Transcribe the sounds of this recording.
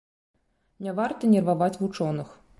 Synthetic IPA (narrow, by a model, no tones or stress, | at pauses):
nʲavart̪ɐnʲɛrvavat͡sʲvut͡ʂɔnɨx